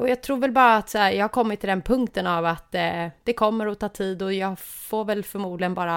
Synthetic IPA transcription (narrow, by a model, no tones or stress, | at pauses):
ɔjɑɡ̚t̪ʰɾuːɾvɛlbɑːɾaːt̪sæːjɑɡhakʰɔmːɪt̪ʰːɪld̪ɛnpʰɵŋkt̪ənavat̪d̪̥ɛkʰɔmːəɾɔt̪ʰɑːt̪ʰiːd̪ɔjɑːɡ | foɾvɛlfœɾmuːd̪lɪɡənbɑːɾa